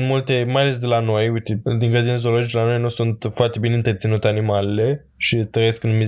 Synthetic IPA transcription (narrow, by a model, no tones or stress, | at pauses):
nmult̪e̞majale̞s̬d̪e̞lano̞jujt̪ed̪iŋkəd̪inezolo̞d͡ʒit͡ʃd̪elano̞jnusunt̪foart̪e̞bineɨnt̪ərt̪sinut̪e̞animale̞le̞ | ʃit̪ɾəjesknumi